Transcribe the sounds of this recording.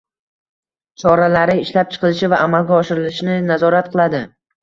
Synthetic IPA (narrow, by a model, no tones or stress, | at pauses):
t͡ʃʰɒɾalaɾɪɪʃlap̚t͡ʃʰɨ̥qʰɨlˠɪʃɪvaʔːmalɡʲaɒʃɪɾɪlɪʃnɪnazɒɾat̪qʰɨlˠad̪ɪ